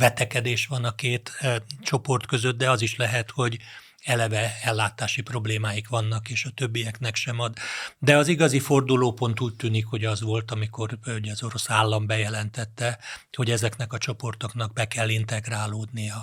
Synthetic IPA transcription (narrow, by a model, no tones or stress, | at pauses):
vɛt̪ɛkɛd̪eːʃʋɒnɒkeːt̪t͡ʃo̞po̞rt̪kø̞zøt̪̚d̪ɛɒziʃlɛɦɛt̪ho̞ɟ | ɛlɛvɛɛlːaːt̪aːʃipro̞bleːmaːjikʋɒnːɒkeːʃɒt̪øbːijɛknɛkʃɛmɒd̪d̪ɛɒziɡɒzifo̞rd̪uloːpo̞nt̪uːc̚t̪yːnikho̞ɟɒzʋo̞lt̪ɒmiko̞ruɟɛɒzo̞ɾo̞saːlːɒmbɛjɛlɛnt̪ɛt̪ːɛho̞ɟɛzɛkn̪ɛkɒt͡ʃo̞po̞rt̪o̞kn̪ɒɡ̚bɛkɛlːint̪ɛɡraːloːd̪nijɒ